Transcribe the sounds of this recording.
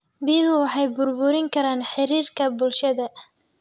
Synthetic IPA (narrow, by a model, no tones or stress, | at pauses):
biːɦʊwɑħɑjbʊrbʊɾɪŋkʰɐɾaːnħɪɾiːrkʰɐbʊlʃɐðɐ